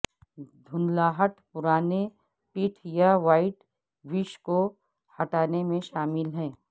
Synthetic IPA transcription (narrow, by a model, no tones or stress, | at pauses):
d̪ʱʊnlaːɦəʈpʊɾaːne | piʈʰjaʋaːɪʈ | ʋɪʃko | hɐʈaːnemẽʃaːmɪlɦɛ̃ː